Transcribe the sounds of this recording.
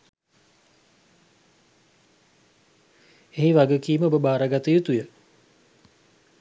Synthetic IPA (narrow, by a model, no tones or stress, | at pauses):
eɦiʋaɡəkiːməobəbaːɾəɡat̪əjut̪ujə